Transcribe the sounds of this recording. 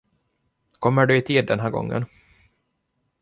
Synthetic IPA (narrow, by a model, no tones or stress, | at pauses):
kʰɔmːəɖɵɪt̪ʰiːd̪̚ːɛnɦæːɾɡɔ̰ŋːə̰n